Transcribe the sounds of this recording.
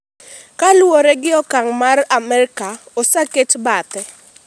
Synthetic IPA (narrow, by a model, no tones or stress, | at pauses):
kalwoɾɛɡɪɔkaŋmaramɛɾɪkaosaketbat̪ɛ